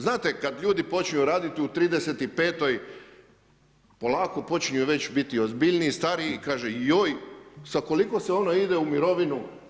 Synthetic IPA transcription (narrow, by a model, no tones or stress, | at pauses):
znaːt̪ekad̪ʎʲuːd̪ipo̞t͡ʃɲijuɾaːd̪it̪iut̪ɾiːd̪e̞se̞t̪ipe̞ːt̪o̞j | po̞lˠaːko̞po̞t͡ʃɲiuʋe̞t͡ɕbit̪io̞zbiʎniːst̪aɾikaːʒejojsako̞liko̞seo̞noid̪eumiɾo̞ʋinu